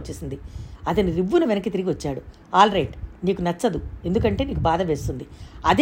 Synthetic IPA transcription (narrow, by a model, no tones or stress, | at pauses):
t͡ʃːieːsind̪iɐt̪ɐniɾiʋːunɐʋinɐkːit̪iɾiɡiʋɐt͡ʃːaːɽu | aːlɾɐjʈniːkunɐt͡ʃːɐd̪ue̞nd̪ukɐɳʈe̞ːniːkubaːd̪ɐʋe̞ːst̪und̪iɐd̪